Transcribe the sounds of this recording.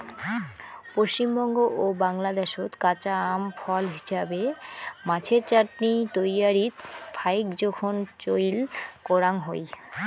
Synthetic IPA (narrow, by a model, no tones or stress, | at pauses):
poʃt͡ɕimbɔŋɡoʔobaŋlad̪eʃot̪kat͡ɕaamfɔlɦiʃabemat͡ɕʰeɾt͡ɕaʈnit̪ojaɾit̪fʰajkd͡ʑɔkʰont͡ɕojlkɔɾaŋɦoj